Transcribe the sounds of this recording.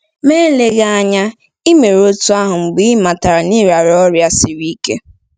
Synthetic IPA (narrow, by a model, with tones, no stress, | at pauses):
me˦le˦ɣa˦a˦ɲa˦ | i˦me˨ɾo˦tu˦a˦ɦʊ˨ŋ͡m̩˨ɡ͡bi˦ma˨ta˨ɾa˨ni˦ɾa˨ɾɔ˦ɾja˦si˨ɾi˦kḛ˦